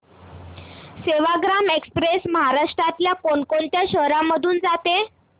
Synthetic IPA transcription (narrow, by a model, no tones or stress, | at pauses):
seʋaɡɾamekspɾesməɦaɾaʂʈɾat̪ljakoɳkoɳt̪jaɕəɦɾamːəd̪ʱuːnd͡zat̪e